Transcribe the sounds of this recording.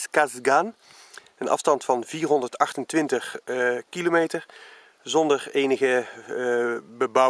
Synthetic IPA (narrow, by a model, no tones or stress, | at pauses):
kazɡan | ənɑ̰fstɑntfɑnviːɹɦɔndəɹtɑχtəntʋɪntəχkilomeːtəɹ | zɔndəɹeːnəɣə | bəbʌ